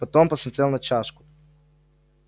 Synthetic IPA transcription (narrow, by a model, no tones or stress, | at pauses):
pat̪ompasamsɛlˠnat͡ʃaʃku̥